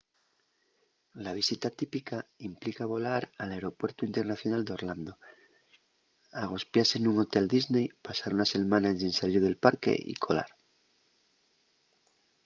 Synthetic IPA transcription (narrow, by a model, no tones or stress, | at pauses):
laβ̞isit̪at̪ipikaimplikaβo̞laɾaleɾo̞pwe̞ɾt̪uint̪enaθjo̞nald̪eo̞ɾland̪o | aɣ̞o̞spjase̞nuŋo̞t̪e̞ld̪iznejpasaɾunase̞lmãnaesinsaliɾðe̞lpaɾke̞̰ʔḭkʰo̞la̰ɾ